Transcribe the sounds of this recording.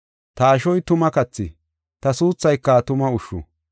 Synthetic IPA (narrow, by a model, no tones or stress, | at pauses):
t̪ɐːʃɔjt̪ʊmɐkɐt͡sːɪ | t̪ɐsuːt͡sːɐjkːɐt̪ʊmɐʊʃːʊ̰